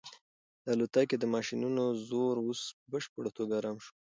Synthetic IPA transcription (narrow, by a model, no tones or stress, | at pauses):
d̪̥əalot̪aked̪əmɑʃinunozoɾospəbəʃpoɽat̪oɡaːɾɑmʃo